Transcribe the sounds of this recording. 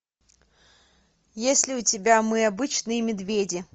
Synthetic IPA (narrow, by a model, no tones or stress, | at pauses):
jesʲlʲɪʊtʲɪbʲamɨɐbɨt͡ɕnɨjəmʲɪd̪vʲedʲɪ